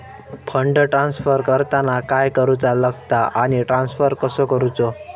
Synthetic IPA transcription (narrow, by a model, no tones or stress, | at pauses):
pʰəɳɖəʈɾansfəɾkəɾt̪anakajkəɾut͡saləɡt̪aʔañiʈɾansfəɾkəsɔkəɾut͡sɔ